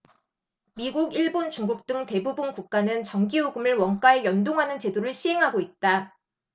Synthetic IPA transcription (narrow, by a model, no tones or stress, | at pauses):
miɡuɡiɭbont͡ɕuŋɡuk̚t͈ɯŋte̞bubunkuk̚k͈anɯnt͡ɕʌŋɡioɡɯmɯɭwʌŋk͈aejʌndoŋɦanɯnt͡ɕe̞doɾɯɭɕʰiɦe̞ŋɦaɡoit̚t͈a